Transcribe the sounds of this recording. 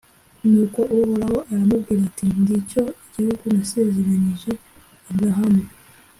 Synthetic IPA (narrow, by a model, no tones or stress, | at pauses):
nuːko̞ʔuβoɾaho̞ʔaɾamubɡiːɾatindico̞iɟihuɡunase̞ze̞ɾaɲiʒe̞ | imɡaɦame